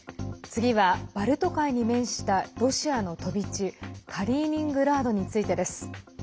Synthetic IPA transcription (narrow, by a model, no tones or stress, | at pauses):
t͡sɨɡʲiβab̥aɾɯ̟t̪o̞kaiɲ̟imẽ̞ɰ̃ɕi̥t̪aɾo̞ɕiano̞t̪o̞bʲit͡ɕikʰaɾʲiːɲ̟ʲĩŋɡɯ̟ɾaːd̪o̞ɲ̟it͡sɨit̪e̞d̪e̞sɨ̥